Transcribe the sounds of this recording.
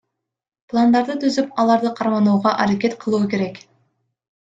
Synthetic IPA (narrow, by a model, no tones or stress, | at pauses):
plˠand̪ɑɾd̪ɯt̪ʰyzypɑlˠɑɾd̪ɯqʰɑɾmɑnuːʁɑʔɑɾakʲe̞t̪qʰɯlˠuːke̞ɾe̞k